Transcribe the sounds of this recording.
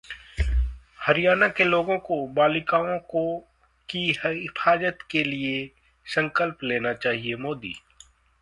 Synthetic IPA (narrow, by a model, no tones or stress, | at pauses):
hɐɾɪjaːnakeloːɡõkobaːlɪkaːõko | kiɪfʰaːd͡ʒət̪kelie | sə̃ŋkəlpleːnat͡ʃaːɦiemoːd̪ḭː